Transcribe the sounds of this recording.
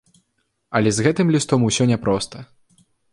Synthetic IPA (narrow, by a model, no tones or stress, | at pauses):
ɐlʲɛzɣɛt̪ɨmlʲist̪ɔmusʲɔnʲɛpɾɔst̪ɐ